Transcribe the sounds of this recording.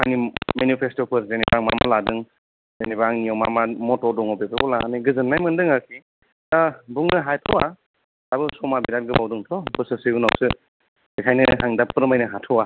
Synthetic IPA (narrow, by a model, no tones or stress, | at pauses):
ajnimenipʰestɔpʰɯɾzenibaŋma̰ma̰ladɯŋ | zenibaŋnijawma̰mamɔtɔdɔŋɔpepʰɯbɔlaa̰niɡɯzɯnːajmɯndɯŋakʰi | tabuŋnɯɦajtʰɔwa | abɯsɔmabiɾat̚ɡɯbawdɯŋtʰɔbɯsɯsɯuna̰wsɯ | ikʰajnɯɦaŋdapːɯɾmajnɯɦatʰɔwa